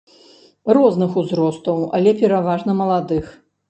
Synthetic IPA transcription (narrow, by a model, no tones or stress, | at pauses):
rɔznɨxuzɾɔst̪ɐwa̰lʲɛpʲɛɾavaʐnɐmɐlˠad̪ɨx